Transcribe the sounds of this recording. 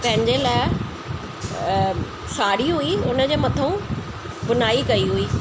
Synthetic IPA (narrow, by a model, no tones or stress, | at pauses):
pɐ̃ɦɪ̃ɲd͡ʑelaːɪ | saːɽiɦʊiʊnəd͡ʑeːmɐt̪ʰũ | bʊnaːikɐiɦʊiː